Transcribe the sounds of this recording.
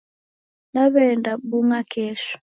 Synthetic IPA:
naβɛndaɓuŋakʰɛːʃu̥

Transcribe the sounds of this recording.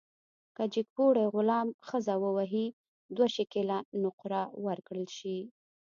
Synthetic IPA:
kad͡ʒɪk̚puɽeɣʊlɑmxəzawəwaɦi | d̪waʃekelanʊqɾawaɾkɽəlʃi

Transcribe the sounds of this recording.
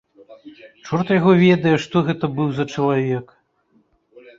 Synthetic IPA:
t͡ʂɔrt̪ɐjaɣɔvʲɛd̪ɐjɛʂt̪ɔɣɛt̪ɐbɨwzɐt͡ʂɐlˠavʲɛk

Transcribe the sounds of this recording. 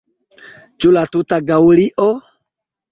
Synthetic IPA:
t͡ʃulatutaɡauliʔɔ

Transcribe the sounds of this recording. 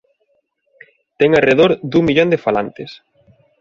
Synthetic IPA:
t̪ɛŋareðoɾd̪uŋmiʎond̪ɪfala̰nt̪ɪs

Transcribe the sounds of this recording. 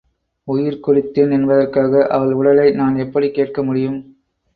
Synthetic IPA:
ʊjɪɾkʊrɪt̪ːɪnɛnbɐðɐrkaːɣɐʔɐʋɐɭʊɽɐlɐɪnaːnɛpːɐɽikeːʈ̚kɐmʊɽɪjɯm

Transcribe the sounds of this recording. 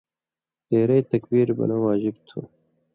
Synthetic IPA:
t̪eːɾɐjt̪ɐkbiːɾbɐ̰nawaːʒɪbt̪ʰu

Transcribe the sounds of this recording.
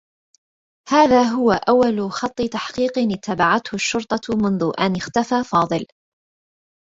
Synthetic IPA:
haːðaːɦʊwaʔawːalʊxɑt̪ˤːɨt̪aħqiːqnɪt̪ːabaʕat̪hʊʃːʊɾt̪ˤɑmʊnðʊʔanɪxt̪afaːfɑːðˤɨl

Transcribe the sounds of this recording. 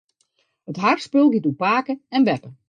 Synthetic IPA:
ətɦarspølˠɡitupaːkəɛnʋɛpə

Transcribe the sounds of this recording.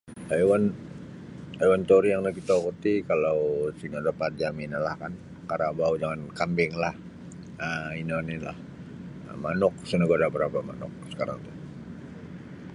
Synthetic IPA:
ajwan | ajwant̪oɾijaŋnakit̪akərt̪ikalawsiŋadəpat̪̚d͡ʒaminalahkan | kaɾabaud͡ʒaŋankambɪŋlah | əinɔnila̰h | manʊk̚sənəɡaɾabəɾapama̰nʊ̰k̚sə̥kaɾa̰ŋt̪u

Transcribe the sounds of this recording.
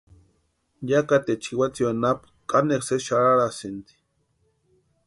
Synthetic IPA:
jakat̪et͡ʃʰiwat͡siwanap | kʼanekseʃaɾaɾasint̪i̥

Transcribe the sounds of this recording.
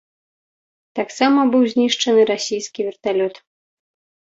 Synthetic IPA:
t̪aksamɐbɨwzʲnʲiʂt͡ʂɐnɨɾasʲijskʲivʲɛrt̪alʲɔt̪

